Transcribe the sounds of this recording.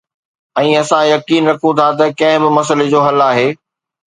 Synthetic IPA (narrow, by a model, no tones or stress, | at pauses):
ɛ̃ːɐsãjɐkiːnɾɐkʰũt̪ʰat̪̬ɐkɐ̃ɦɪ̃bɪmɐs̬əled͡ʑoːɦɐlaːɦeː